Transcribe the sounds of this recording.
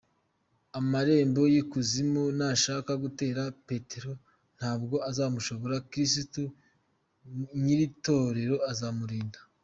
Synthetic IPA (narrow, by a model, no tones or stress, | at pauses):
amaɾe̞ːmbo̞jikuzimunaʃakaɡute̞ːɾape̞teɾo̞ | n̥haːbɡo̞azaːmuʃo̞βo̞ɾakɾisitu | ɲiɾito̞ɾe̞ɾo̞azamuɾiːndḁ